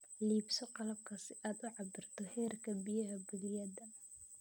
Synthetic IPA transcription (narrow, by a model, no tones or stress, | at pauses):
liːbsɔqɑlɐb̚kʰɐsɪʔaːd̪ʊʕɑbɪrt̪ʰɔhɛːrkʰɐbɪjɐɦɐbɪlɪjɐd̪ɐ